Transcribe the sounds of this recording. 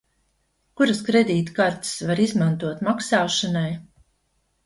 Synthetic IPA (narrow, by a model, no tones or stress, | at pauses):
kuɾaskɾed̪iːt̪kaɾt̪svaɾizmant̪uɔt̪maksaːʃanaj